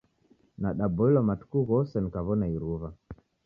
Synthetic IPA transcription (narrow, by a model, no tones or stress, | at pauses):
naɗabɔilwamatu̥kuɣɔsɛnikaβɔnaiɾuva